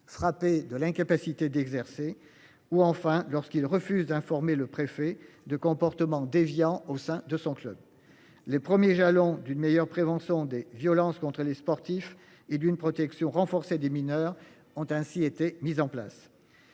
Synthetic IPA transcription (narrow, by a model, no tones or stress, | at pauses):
fχaped̪əlɛ̃kapasit̪ed̪ɛɡzɛʁse | uɑ̃fɛ̃lɔʁskilʁəfyzd̪ɛ̃fɔʁmeləpχefɛ | d̪əkɔ̃pɔʁt̪əmɑ̃d̪evjɑ̃osɛ̃d̪əsɔ̃klœb | lepχəmjeʒalɔ̃d̪ynmejœʁpχevɑ̃sjɔ̃d̪evjɔlɑ̃skɔ̃t̪χəlespɔʁt̪if | ed̪ynpχɔt̪ɛksjɔ̃ʁɑ̃fɔʁsed̪eminœʁ | ɔ̃t̪ɛ̃siet̪emizɑ̃pla̰s